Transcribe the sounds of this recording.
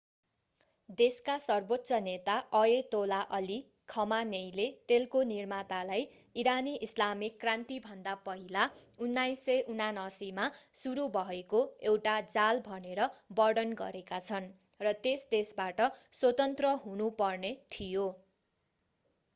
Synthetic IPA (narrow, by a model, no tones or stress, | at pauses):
d̪eskasʌrbot̪ːsʌnet̪aʔʌet̪olaʔʌli | kʰʌmanejlet̪elkonirmat̪alaj | iɾaniʔislamikːrant̪ibʱʌnd̪apʌɦilaunːajsʌjʔunanʌsimasuɾubʱʌɦekoewʈad͡zalbʱʌneɾʌbʌɖʌnɡʌ̰ɾekat͡sʰʌn | rʌt̪esd̪esbaʈʌswʌt̪ʌnt̪rʌɦunupʌrnet̪ʰijo